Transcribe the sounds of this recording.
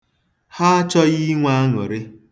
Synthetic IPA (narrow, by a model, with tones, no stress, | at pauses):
ha˦a˦t͡ʃɔ˦ɣi˦ŋʷa˦a˦ŋɔ˨ɾɪ˦